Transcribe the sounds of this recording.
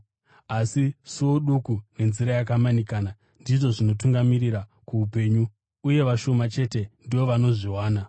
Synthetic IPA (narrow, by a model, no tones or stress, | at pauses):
asisoɗukune̞nziɾajakamanikaːna | ndiʐo̞ʐino̞tuŋɡamiɾiɾakuupe̞ːɲu | uje̞ʋaʃo̞mat͡ʃe̞te̞ndiʋo̞ʋano̞ʐiwaːna